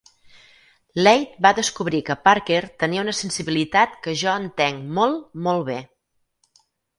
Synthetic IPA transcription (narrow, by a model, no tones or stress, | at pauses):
lɛjt̪̚baðəskuβɾikəpaɾkert̪əniəunəsənsiβilit̪at̪kəʒɔənt̪eŋmɔlˠmɔlˠβe